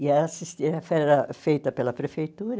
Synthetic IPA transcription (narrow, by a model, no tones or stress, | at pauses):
jɛɐsist̪iɾɐfɛɾɐfejt̪ɐpelɐpɾefejt̪uːɾɐ